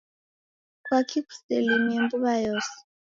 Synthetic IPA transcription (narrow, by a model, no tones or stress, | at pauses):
kwakʰiku̥selemiembuβajɔsi̥